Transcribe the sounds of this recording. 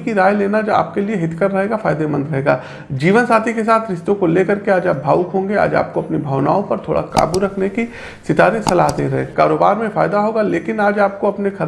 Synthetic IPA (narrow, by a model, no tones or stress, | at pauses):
kiɾaːjleːnad͡ʒoa̰ːp̚kelieɦɪt̪ʰkəɾːɐɦeːɡafaːjd̪emə̃nd̪ɾɐɦeːɡaː | d͡ʒiːʋənsaːt̪ʰikesaːt̪ʰɾɪʃt̪õkoleːkɐɾkeaːd͡ʒaːp̚bʱaːʊkɦõːŋɡea̰ːd͡ʒa̰ːp̚koɐpnibʱɐːʊna̰ːõpɐɾt̪ʰo̰ːɽʔa̰ka̰ːbuɾɐkʰneki | sɪt̪aːɾẽsɐlaɦd̪ḛɾɐɦẽːkaːɾoːbaːɾmẽfaːjd̪aɦoːɡaleːkɪnaːd͡ʒaːp̚koɐpnexʰɐɾ